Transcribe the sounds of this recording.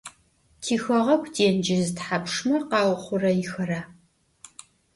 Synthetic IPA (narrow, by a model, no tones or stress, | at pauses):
tʰiːxɐʁɐkʷʰdʰeːnd͡ʒɪzɨtħapʂmɐqɑːwχʷʊrɐjɪxɐɾaː